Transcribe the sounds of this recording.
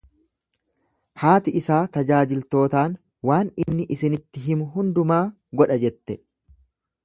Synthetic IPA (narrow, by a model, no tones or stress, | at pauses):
haːt̪ɪɪsaːt̪ɐd͡ʒaːd͡ʒɪlt̪o̞ːt̪aːn | waːnɪnːɪʔɪsɪnɪt̪ːɪɦɪmʊɦʊnd̪ʊmaː | ɡɔᶑɐd͡ʒɛt̪ːɛ